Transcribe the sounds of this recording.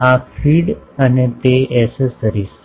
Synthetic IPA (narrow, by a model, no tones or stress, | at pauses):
afiːɽanet̪eɛsesəɾiːs